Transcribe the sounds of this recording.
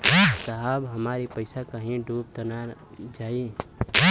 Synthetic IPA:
səɦaːbɦɐmaːɾipəɪsakəɦĩɖʱuːp̚t̪ənad͡ʒaːi

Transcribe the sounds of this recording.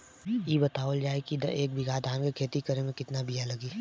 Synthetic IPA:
jibɐt̪aːʋəld͡ʒaːekid̪̰eːk̚bɪɡʱaːd̪ʱãːnkekʰeːt̪ikəɾemẽkɪt̪nabijalɐɡiː

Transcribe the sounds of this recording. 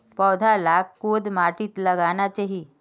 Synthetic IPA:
pɔwd̪ʱalakːod̪maʈiːt̪ləɡanat͡ɕeɦi

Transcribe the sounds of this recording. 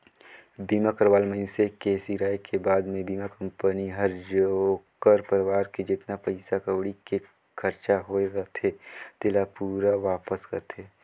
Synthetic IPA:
biːmakɐɾʋaːlməɪnsekeːsiːɾaːjkʰebaːd̪mẽbiːmakɐ̃mpəniɦɐɾd͡ʒokəɾpəɾʋaːɾked͡ʒɪt̪napɐɪsakəʋɽike | kʰɐɾt͡ʃaɦoeɾɐt̪ʰet̪ɪlapuːɾaʋaːpəskɐ̰ɾt̪ʰeː

